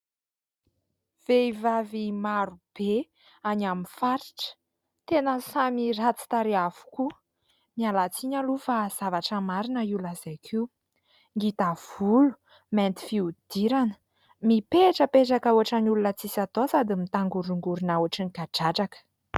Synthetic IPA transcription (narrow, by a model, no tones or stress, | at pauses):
v̥eivavimaɾub̥e | anaminfaɾi̥ʈ͡ʂə̥ | t̪enəsamirat͡si̥t̪aɾiavu̥ku | mialat͡siɲalufaz̥avaʈ͡ʂəmaɾinəulazajkʰiw | ŋɡit̪av̥ulu̥ | mɛnt̪i̥fiud̪̥iɾanə̥ | mipeʈ͡ʂəpeʈ͡ʂakauaʈ͡ʂanulunət͡sisat̪osad̪imit̪aŋɡuɾuŋɡuɾunauaʈ͡ʂinikaɖ͡ʐaʈ͡ʂakə̥